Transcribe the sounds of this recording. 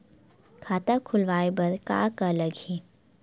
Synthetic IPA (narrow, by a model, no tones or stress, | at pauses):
kʰaːt̪akʰʊlʋaːebɐɾka̰ːkaləɡɦeː